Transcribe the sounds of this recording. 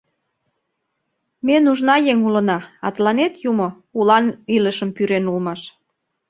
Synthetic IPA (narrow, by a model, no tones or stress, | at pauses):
menuʒnɑjeŋulənɑɑ̰t̪lɑnet̪jumo | ulɑniləʃəmpyɾenulmɑʃ